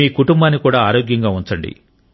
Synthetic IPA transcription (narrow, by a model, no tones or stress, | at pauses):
iːkuʈumbaːnːikuːɽaːaːɾoːɡjɐŋɡaːuɲt͡ʃɐɳɖḭ